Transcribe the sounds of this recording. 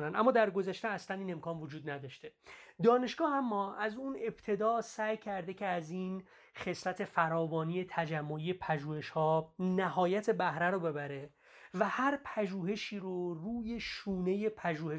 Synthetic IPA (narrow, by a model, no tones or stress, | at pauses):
nænd̪æ̰mːɒːd̪æɾɡo̞zæʃt̪eæslæniːne̞mkʰɒːnvod͡ʒuːd̪̚næd̪ɒːʃt̪e̞d̪ɒːne̞ʃɡ̥ɒːhæmːɒːæzune̞b̥t̪ʰe̞d̪ɒːsæːjcʰæɾd̪e̞cʰeæziːn | χe̞slæt̪ʰe̞fæɾɒːbɒːniːje̞t̪ʰæd͡ʒæmːo̞ije̞pʰæʒuːhe̞ʃhɒːnæhɒːjæt̪ʰe̞bæhɾæɾobe̞bæɾe̞ | væhæɾpʰæʒuːɦe̞ʃiːɾoruːje̞ʃuːne̞je̞pʰæʒuːhe